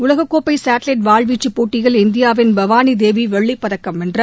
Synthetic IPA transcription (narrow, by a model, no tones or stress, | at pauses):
ʊlɐɣɐkːoːpːɐɪsaːʈlɐɪʈʋaːɭʋiːt͡ʃːɯpːoːʈːɪɣɐɭɪnd̪ɪjaːʋɪnbɐʋaːnid̪eːʋiʋɛɭːɪpːɐðɐkːɐmɛndrɐ